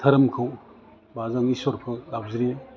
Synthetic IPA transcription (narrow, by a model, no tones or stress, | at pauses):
tʰɐɾɐmkʰɯw | bazaŋisɔɾpʰɯlab̚ziɾi